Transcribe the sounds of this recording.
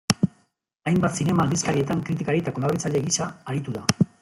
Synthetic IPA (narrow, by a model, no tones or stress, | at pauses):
ajmbat̪sine̞maːld̪iskaɾie̞t̪aŋkɾit̪̬ikaɾit̪akonarβit͡saʎeɣisaːɾit̪uða